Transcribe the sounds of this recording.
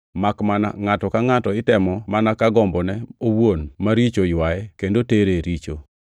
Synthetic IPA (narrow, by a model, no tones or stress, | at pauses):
makmana̰ŋatɔkaŋatɔɪtɛmɔmanakaɡɔmbɔnɛowwonmaɾit͡ʃojwajɛkendoteɾeɾit͡ʃo